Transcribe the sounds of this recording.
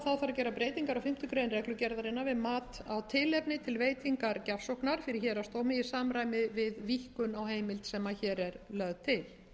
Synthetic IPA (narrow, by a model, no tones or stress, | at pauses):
θaðθaɾacɛːɾapɾeːjt̪iŋkaɾawfɪm̥t̪ʏkɾeːjnrɛklʏcɛɾðaɾɪnːavɪðmaːt̪awt̪ʰɪlɛpnɪt̪ʰɪlveːjt̪iŋkaɾcafsowhknaɾ̥fɪɾɪɾçɛːɾast̪oːwmɪɪsaːmɾaːjmɪvɪðvihkʏnawheːjmɪlt̪sɛmːaçɛːɾɛɾlœɣðt̪ʰɪl